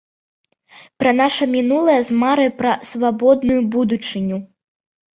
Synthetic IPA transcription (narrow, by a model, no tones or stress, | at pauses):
pɾɐnaʂɐmʲinulˠɐjɐzmaɾɨpɾɐsvabɔd̪nujubud̪ut͡ʂɨnʲu